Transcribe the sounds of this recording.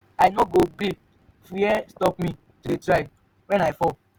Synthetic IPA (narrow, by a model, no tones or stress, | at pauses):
ajnɔɡoɡi | fujɛstɔp̚mĩ | todetɾaɪ | wɛ̃najfɔ